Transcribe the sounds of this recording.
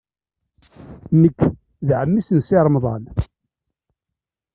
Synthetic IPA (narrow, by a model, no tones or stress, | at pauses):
nəkː | ðʕəmːisənsɪɾˤmðˤɑn